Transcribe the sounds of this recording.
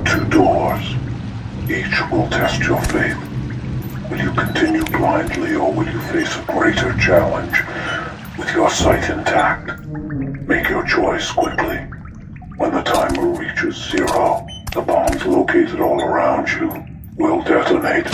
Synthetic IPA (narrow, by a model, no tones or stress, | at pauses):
tʰʉdɔɹz̥ | it͡ʃwɪlˠtʰɛst͡ʃə˞feɪθ | wɨlˠjɨkʰn̩tʰɪ̃njʉblãɪ̃nʔˡliə˞wɨlˠjɨfeɪsəɡɹeɪɾə˞t͡ʃʰælˠə̃nd͡ʒ | wɨð̥jə˞saɪɾɨ̃ntʰæk̚t̚ | meɪkʰjə˞t͡ʃʰɔɪskʰw̥ɪkʰli | wə̃nðətʰãɪ̃məɹit͡ʃɨzzɪɹoʊ | ðəbɑ̃mzloʊkʰeɪɾɨɾɔlˠə˞ãʊ̃nd͡ʒɨ | wɪlˠdɛɾəneɪt